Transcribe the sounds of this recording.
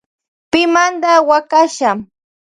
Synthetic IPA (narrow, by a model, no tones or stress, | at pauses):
pɪmand̪awakaʃam